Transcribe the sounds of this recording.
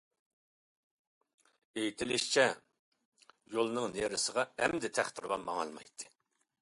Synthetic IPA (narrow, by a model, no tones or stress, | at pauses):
ejit̪ʰɪlɪʃt͡ʃʰɛ | jolˠnɨŋneɾɪsəʁɑɛmd̪ɪt̪ʰæχt̪ʰɪɾbɑmɑŋɑ̰lˠmɑ̰jt̪ʰːɨ̥